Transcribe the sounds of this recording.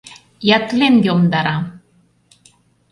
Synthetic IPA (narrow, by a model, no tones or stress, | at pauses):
jæt̪lenjomd̪ɑɾɑ